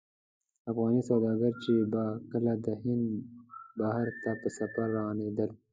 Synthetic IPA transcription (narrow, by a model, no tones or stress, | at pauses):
afɣɑːnisawd̪ɑːɡəɾt͡ʃebakəlad̪əhɪnd̪baɦəɾt̪apəsɐfaɾːawɑːneːd̪əl